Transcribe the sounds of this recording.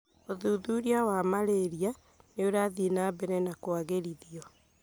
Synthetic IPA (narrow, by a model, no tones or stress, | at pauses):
oðuːðuɾiawamaɾeɾia | neoɾaðinabɛɾɛnakwaɣeɾiðiɔ